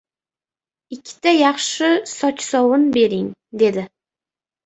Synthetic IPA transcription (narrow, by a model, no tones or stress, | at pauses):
ɪkʲʰːɪ̥t̪ʰajɑχʃɪsɒt͡ʃsɒwʊnbe̞ɾɪŋd̪e̞d̪ɪ